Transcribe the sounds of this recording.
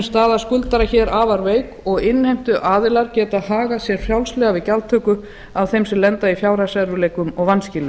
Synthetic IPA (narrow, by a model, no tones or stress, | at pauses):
st̪aːðḁskʏlt̪aɾaçɛːɾaːvaɾveːjkɔɣɪnːhejm̥t̪ʏʔaːðɪlaɾcɛːt̪aðɦaːɣasjɛɾ̥fjawlslɛɣavɪðcalt̪ʰœːkʏ | avθejmsɛmlɛnt̪aifjaːwɾasɛɾʏleːjkʏmɔɣvanscɪːlɪ